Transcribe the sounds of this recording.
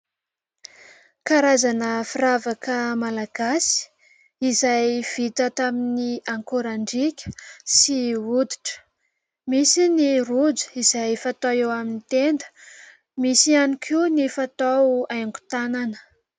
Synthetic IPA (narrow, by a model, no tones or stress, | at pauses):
kaɾazanəfiɾavakəmalaɡ̥asi̥ | izajv̥it̪ət̪aminiaŋkoɾaɳɖ͡ʐikʲə̥siud̪i̥ʈ͡ʂə̥ | misinirud͡zu̥izajfat̪aewaminit̪end̪ə̥ | misianikʰunifat̪awajŋɡu̥t̪ananə̥